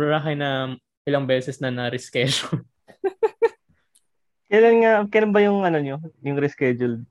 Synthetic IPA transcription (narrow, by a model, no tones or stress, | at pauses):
ɾɐɾaːɦɐjnɐ | ʔɪlɐŋbɛːsɛsnɐnɐɾɛskɛʃon | kɐjlanŋakɐjlanbɐjʊŋʔɐnoɲo̞jʊŋɾɛskɛd͡ʒʊld̪̚